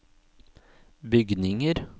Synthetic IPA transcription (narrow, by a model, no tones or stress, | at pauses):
bʏɡnɪŋəɾ